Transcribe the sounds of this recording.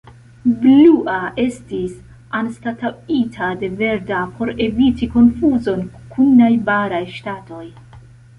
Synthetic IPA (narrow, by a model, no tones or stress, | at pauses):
bluʔaʔe̞stis | anstataitʰade̞ve̞ɾdapʰo̞ɾe̞vitiko̞nfuzo̞nkʰunajbaɾajʃtato̞j